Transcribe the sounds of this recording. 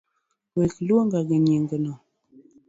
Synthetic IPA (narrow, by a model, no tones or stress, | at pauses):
wekloŋɡaɡəɲiŋɡənɔ